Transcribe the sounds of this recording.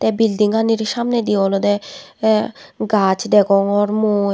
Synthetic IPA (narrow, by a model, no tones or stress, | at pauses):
t̪ɛbild̪iŋaniɾʃamned̪iɔlod̪ɛ | ɡat͡ɕd̪ɛkɔŋɔɾmo